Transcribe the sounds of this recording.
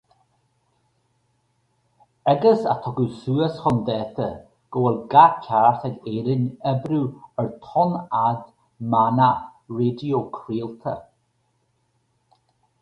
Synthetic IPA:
ɛɡəsa̰t̪ʰɔɡusuːəsxɔnd̪ɛːt̪ʰə | ɡ̥ɔwɛlɡakʰaɹaxəɡeːɾɪnɛbɾuəɹt̪ʰɔnad | manaɹeːdiokʰɾiːəlt̪ʰə̰

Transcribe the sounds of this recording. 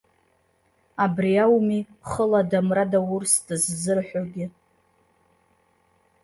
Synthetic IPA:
abriawmi | χəladamradawʊrsdɨzzɨrħʷᶣoɡʲɪ

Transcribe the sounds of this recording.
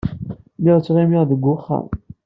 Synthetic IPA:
miʁt͡sːʁimiʁðəɡːʊχːa̰

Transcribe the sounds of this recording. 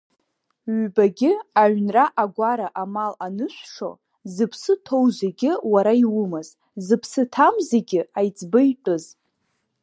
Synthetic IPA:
ɥbaɡʲɪaɥnraʔaɡʷaɾaʔamalanɨʃʷʂo̞̰ | zɨpʰsɨtʰo̞wzeɡʲɪwaɾaiwʊmaz̥ | zɨpʰsɨtʰamzeɡʲɪajt͡sʼbɨjʈ͡ʂʷʼɨz

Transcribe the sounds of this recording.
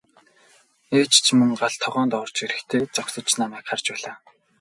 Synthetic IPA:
eːt͡ɕt͡ɕʰmɵŋɢaɮt̪ʰːɔʁœːnt̪ɔwr̥t͡ɕeɾɘ̆xt̪ʰeːt͡sɔksɞ̆t͡ɕnamæːkχart͡ɕpæːɮaː

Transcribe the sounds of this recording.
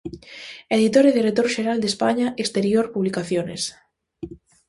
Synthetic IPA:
eðit̪oɾeðeret̪oɾʃeɾald̪espaɲaʔest̪eɾjoɾpuβlikaθjones

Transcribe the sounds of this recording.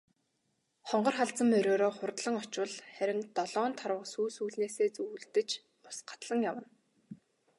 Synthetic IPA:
χɔɴɢɞ̆rχaɮt͡sə̆mːœɾʲoːɾoːχʊrt̪ɮə̆ŋɔt͡ɕwə̆ɮχæɾʲɪ̆ŋt̪ɔɮɔːnt̪ʰaɾwə̆qsuːsuːɮneːseːt͡suːɮt̪ɘ̆t͡ɕ | mʊ̥sɢḁt̪ɮə̆ŋjawə̆n

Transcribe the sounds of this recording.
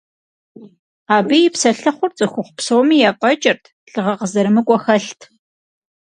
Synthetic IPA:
aːbijɪpsɐɬɐχʷʊrt͡sʼɨxʷʊχʷʊpsowmiːjaqʼɐt͡ʃʼɪrtʰ | ɬɨʁɐqəzɐɾɨmɨkʷʼɔxɐɬtʰ

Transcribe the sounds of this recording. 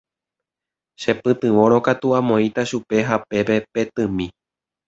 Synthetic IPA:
ʃe̞pɨt̪ɨʋo̞ɾo̞kat̪uãmõ̞ĩt̪aʃupe̞ɦape̞pe̞pe̞t̪ɨ̃mĩ

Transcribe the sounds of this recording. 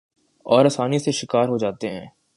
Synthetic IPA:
ɔːɾɐsaːniseʃɪkaːɾɦod͡ʒaːt̪eɦɛ̰̃ː

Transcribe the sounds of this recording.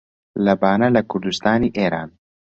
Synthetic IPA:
lɐbaːnɐlɐkʰʊɾd̪ust̪aːniːʔeːɾaːn

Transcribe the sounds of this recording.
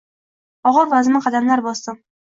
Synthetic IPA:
ɒʁɤɾvazmɪqʰɑd̪amlaɾbɒsd̪ɤm

